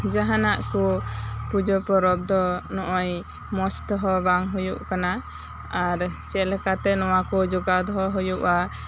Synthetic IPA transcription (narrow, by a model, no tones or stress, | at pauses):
d͡ʒaɦanaʔkupud͡ʒɔpɔɾɔb̚d̪ɔnɔʔɔj | mɔst̪ɔɦɔbaŋɦujṵʔkana | aɾt͡ʃɛlɛkat̪ɛnɔwakɔd͡ʒɔɡad̪ɦɔɦɔjuʔa